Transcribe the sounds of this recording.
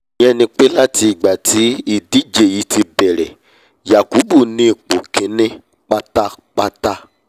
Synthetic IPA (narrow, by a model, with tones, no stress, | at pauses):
ɛ˧nĩ˧k͡pe˦la˦ti˧i˨ɡ͡ba˨tʰi˨˦i˦˨di˨˦d͡ʒe˨ji˨˦ti˧bɛ˨ɾɛ˨ | ja˨ku˨˦bu˦˨nĩ˦i˨k͡po˨kẽ˨˦nẽ˦ | k͡pa˦ta˦k͡pa˦ta˦